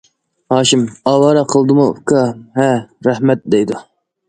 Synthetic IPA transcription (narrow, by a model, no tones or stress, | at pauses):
hɑːʃimɑːwɑːɾɑqʰəlˠd̪ɨmukʰɑhɛɾæhmɛt̪̚d̪ɛjd̪u